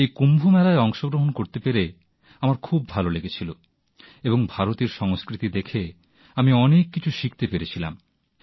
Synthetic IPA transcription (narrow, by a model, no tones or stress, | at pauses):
ejkumbʱumɛlaeɔŋʃoɡɾoɦonkoɾt̪epeɾe | amaɾkʰubːʱaloleɡet͡ɕʰilo | eboŋbʱaɾot̪eɾʃɔŋskɾit̪id̪ekʰe | amiɔnekːit͡ɕʰuʃik̚t̪epeɾet͡ɕʰilam